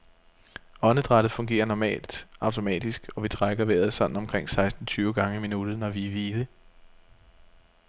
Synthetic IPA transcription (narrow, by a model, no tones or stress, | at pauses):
ɒ̽nəd̥ʁad̥ð̩ˠfɔ̽ŋɡ̥e̝̰ːɐnɒmɛ̰ːld̥ɑ̈ʊt͡sʰo̝mɛ̰ːd̥isɡ̥ɒ̽ʋit͡sʰʁaɡ̥ɐʋḛːɐðˠsɒ̽d̥n̩ɒ̽mkʰʁeŋ̰sɑ̈ɪsd̥n̩t͡sʰyːʊɡ̥ɑ̈ŋəiminud̥ð̩ˠnɒʋiʋiːlə